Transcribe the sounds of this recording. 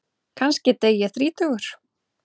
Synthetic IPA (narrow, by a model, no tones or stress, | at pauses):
kʰanscɪt̪eːjaθɾiːt̪ʰœɣʏɾ̥